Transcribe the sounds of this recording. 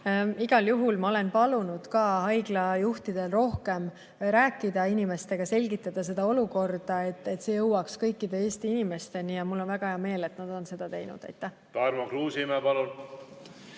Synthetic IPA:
iɡ̥ɑljuɦulmɑo̞le̞npɑlunud̪̥kɑːhɑjɡ̥lɑjuht̪id̪̥e̞lro̞hke̞m | ɾæːkːˑid̪ɑinime̞st̪e̞ɡ̥ɑse̞lʲɡit̪ːˑɑd̪̥ɑs̬e̞d̪̥ɑo̞luko̞rd̪̥ɑe̞t̪ːˑe̞t̪se̞jɤwɑkskɤjkːid̪e̞eːst̪iinimest̪e̞nijɑmulːo̞nvæɡ̥ɑheɑme̞ːle̞t̪nɑd̪̥o̞nse̞d̪ɑt̪e̞jnṵd̪̥æ̰jt̪ːˑæh | t̪ɑɾmokruːsiimepɑlul

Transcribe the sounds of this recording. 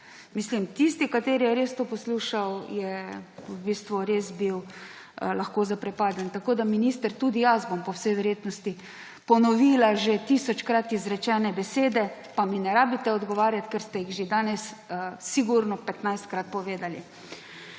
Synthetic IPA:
mislimt̪ist̪ikat̪eːɾijɛɾest̪oːpɔsluʃawjɛubiːst̪ʋuɾesbiw | laxkoːzapɾɛpaːd̪ənt̪akoːd̪aminiːst̪əɾt̪ud̪ijazbɔmpɔwsɛjʋɛɾjeːt̪nɔst̪i | pɔnɔʋiːlaʒet̪isɔt͡ʃkɾat̪izɾɛt͡ʃɛːnɛbɛseːd̪ɛpaminɛɾaːbit̪ɛɔd̪ɡɔʋaːɾjat̪kɛɾst̪ɛjiɣʒed̪aːnɛssiɡuɾnɔpɛt̪najst̪̚kɾat̪̚pɔʋeːd̪alḭ

